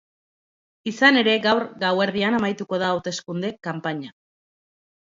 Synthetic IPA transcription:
isane̞ɾe̞ɡawɾɡawe̞ɾðianamajt̪uko̞ð̞aːwt̪e̞skund̪e̞kampaɲa

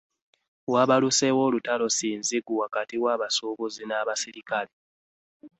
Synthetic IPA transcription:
waβalusewo̞ːlutalo̞siːnziɡuwakatiwaːβasuβuzinaβasiɾikale

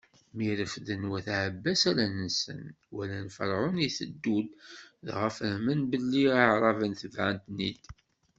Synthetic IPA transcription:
miɾəfðənwæθʕəbːæsæɾænəsə̰n | wælænfə̰ɾˤʕʊniθəd̪ːud̪ðʁəfəmənbəlːiaʕɾˤɑvənθəvʕənt̪nid̪

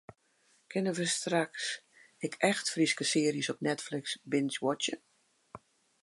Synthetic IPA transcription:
kʰɪnəʋəstraks | ɪkʰɛxtfriskəsɪəriəsɔp̚nɛtflɪksbɪnswɔt͡ʃjə

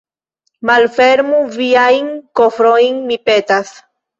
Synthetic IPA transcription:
malfeɾmuviajŋkofɾojnmipet̪as

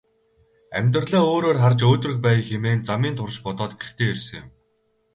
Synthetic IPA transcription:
æ̰mʲt̪̆rɮaːoːɾoːrχart͡ɕoːt̪rɵ̆k̚pæːjxemeːnt͡samiːnt̪ʰʊr̆ʃpɔt̪ɔːt̪ɡer̥t̪ʰeːerʲsɘ̆ŋjʊm

